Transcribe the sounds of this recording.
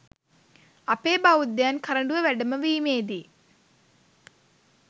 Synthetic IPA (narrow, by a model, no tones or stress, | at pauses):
ɐpeːbaʋud̪jaːnkʰɐɾɐɳɖuʋɐʋɛɖɐmɐʋiːmeːd̪i